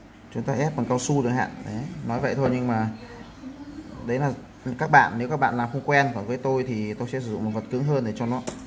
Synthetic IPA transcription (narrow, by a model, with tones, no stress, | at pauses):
t͡ɕʊ˨˦ŋ͡mt̪aː˧ʔɛ˦˥p̚ka˨˩kaː˧wsu˧ɗɨ˨˩ək̚ɦa̰ː˧˨nɗe˨˦nɔ˨˦jvə̰˧˨jt̪ʰo˧jɲɨ˧ŋmaː˨˩ | ɗə˨˦jlaː˨˩ | kaː˦˥k̚ɓa̰ː˧˨nːe˨˦wkaː˦˥k̚ɓa̰ː˧˨laː˨˩mxə˧wŋ͡mkwɛ˧nvaː˨˩vəː˨˦jt̪o˧jt̪ʰi˨˩t̪o˧jsɛ̰˧˥sɨ˧˩z̰ŋ͡mm˨˩t̚və˨˩t̚kɨ˨˦əŋɦəː˧nɗe˨˩t͡ɕɔ˧nɔ˨˦